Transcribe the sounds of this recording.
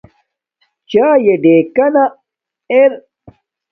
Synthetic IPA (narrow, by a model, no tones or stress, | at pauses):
t͡ɕaːjeɖeːkɐna | eɾ